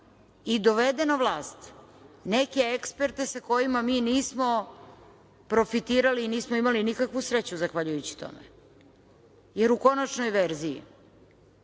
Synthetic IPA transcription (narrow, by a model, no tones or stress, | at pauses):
id̪oʋed̪e̞naʋlˠaːst̪ | neke̞ekspe̞ɾt̪e̞sako̞jimamiːniːsmo | pɾo̞fit̪iːɾaliːniːsmoimalinikakʋusɾet͡ɕuzaxʋaʎujut͡ɕi̥t̪o̞̰mḛ | je̞ɾuko̞nat͡ʃnojʋeɾzijḭ